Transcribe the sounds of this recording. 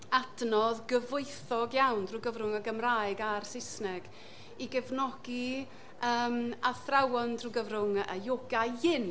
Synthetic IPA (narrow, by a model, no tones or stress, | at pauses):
adnɔðɡəvʊɨθɔɡjawndruɡəvɾʊŋəɡəmraːjɨɡarsɪsnɛɡ̥ | iɡɛvnɔɡ̥i | əːmaθrawɔndruɡəvɾʊŋəjoɡajɪn